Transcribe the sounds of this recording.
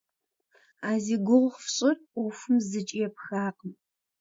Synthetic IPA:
aːziːɡʷʊʁʷχfɕʼɪrʷɔfʊmzɨt͡ʃʼijɛpxaːqəm

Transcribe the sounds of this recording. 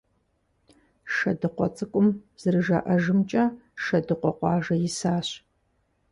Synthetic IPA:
ʃɐdɨqʷɔt͡sʼɨkʷʼʊmz̥ɨrɨʒɐ̰ʔɐʒɨmt͡ʃʼɐʃɐdɨqʷɔqʷɑːʒɐjɪsaːɕ

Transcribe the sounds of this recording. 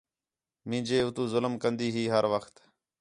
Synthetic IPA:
mĩːnd͡ʒeːʊt̪ũːzʊləmkənd̪iːɦiːɦəɾʋəxt̪

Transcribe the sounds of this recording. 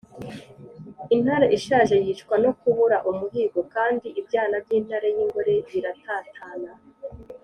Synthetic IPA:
in̥haɾaʔiʃaːʒejit͡ʃkwano̞kuβuɾaʔumuɦiːɡo̞kaːndiʔibɟaːnabɟiːn̥haɾajiŋɡo̞ɾe̞βiɾatʰaːtʰaːna

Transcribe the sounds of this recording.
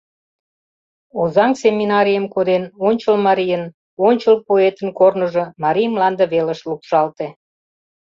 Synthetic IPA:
ozɑŋsemʲinɑɾijəmkod̪enonʲt͡ɕəlmɑɾijən | onʲt͡ɕəlpoet̪ənkornəʒə̆mɑɾʲijəmlɑnd̪ə̆βeləʃlukʃɑlt̪e

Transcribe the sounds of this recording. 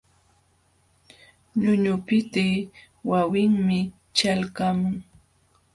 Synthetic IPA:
ɲʊɲʊpɪt̪ɪ | wawɪŋmɪ | t͡ʃalkamʊŋ

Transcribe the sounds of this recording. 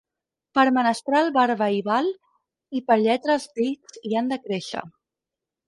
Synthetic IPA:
pəɾmənəst̪ɾalˠβaɾβəiβal | ipəɾʎɛt̪ɾəlzpit͡siand̪əkɾeʃə̰

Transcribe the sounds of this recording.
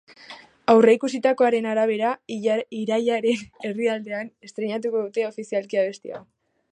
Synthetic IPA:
awre̞ikusit̪ako̞aɾe̞naɾaβ̞e̞ɾaiɾaʎaɾe̞ne̞riald̪e̞ane̞st̪ɾe̞ɲat̪̬uko̞ðut̪e̞o̞fisialkiaβe̞st̪ḭa̰

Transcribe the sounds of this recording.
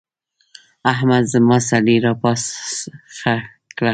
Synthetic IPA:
aɦmad̪zəmɑsaliɾɑpɑsxa | kla

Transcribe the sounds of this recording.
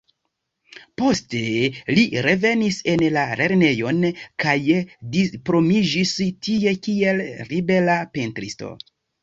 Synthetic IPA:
po̞ste̞liɾe̞ve̞nise̞nlale̞ɾne̞jo̞nkajdispɾo̞mid͡ʒistie̞kie̞lɾibe̞lapentɾisto̰

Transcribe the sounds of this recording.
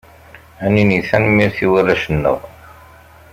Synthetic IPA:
æniniθænmiɾθiwəræʃənːə̰ʁ

